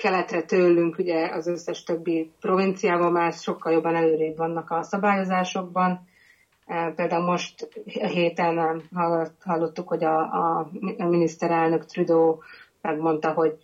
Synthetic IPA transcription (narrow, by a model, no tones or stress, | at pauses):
kɛlɛt̪rɛt̪øːlːyŋkuɟɛɒzøsːɛʃt̪øbːipro̞vint̪sijaːbɒlmaːɾɛsʃo̞kːɒljo̞bːɒnɛløːɾɛybʋɒnːɒkɒsɒbaːjo̞zaːʃo̞ɡ̚bɒn | peːld̪aːulmo̞ʃt̪ɦeːt̪ɛnɦɒhɒlːo̞t̪ːukho̞ɟɒ | minist̪ɛɾɛlnø̞kt̪rid̪oːmɛɡmo̞n̪t̪ɒɦo̞ɟ